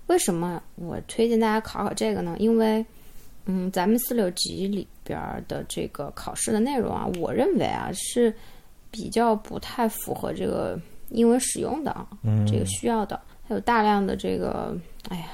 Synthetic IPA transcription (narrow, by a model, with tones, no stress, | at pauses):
we˥˩ɪʂə˧˥nmə˧wɔ̰˨˩t̪ʰwe˥ɪt͡ɕɛ˥˧nt̪a˥˩t͡ɕja˥kʰʊkʰɑ˨˩ʈ͡ʂɤ˥˩ɡə˩nə˩ʔi˥nwe˥˩ɪ | n̩˥˩t͡sa˧˥mə˧nsɹ̩˥˩ljo˧˥ʊt͡ɕḭ˧˥lḭ˨˩pjɑ̰˧˥d̪ə̰˧ʈ͡ʂɤ̰˥˩ɡə˩kʰɑ˨˩ʊʂɻ̩˥˩d̪ə˩ne˥˩ɪɻʊ̰˧˥ŋɐ̰˧wɔ˨˩ɻə˥˩nwḛ˧˥ɪa̰˧ʂɻ̩˥˩ | pi˨˩t͡ɕjɑ˥˩ʊpu˧˥t̪ʰa˥˩ɪfu˧˥xɤ̰˧˥ʈ͡ʂɤ̰˥˩ɡə̰˩i˥nwə˧˥nʂɻ̩˨˩jʊ̰˥˩ŋd̪ə̰˩ʈ͡ʂɤ˥˩ɡə˩ɕy˥jɑ˥˩ʊd̪ə̰˩xa˧˥jo˨˩ʊt̪a˥˧ljɑ˥˩ŋd̪ə˩ʈ͡ʂɤ˥˩ɡə̰˩a˥˩ɪ